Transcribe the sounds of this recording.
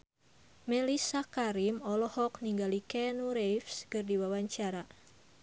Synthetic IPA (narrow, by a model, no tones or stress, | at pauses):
mɛlisakaɾimɔlɔhɔkniŋɡalikɛnuɾejfskɨrdiwawaɲt͡ʃaɾa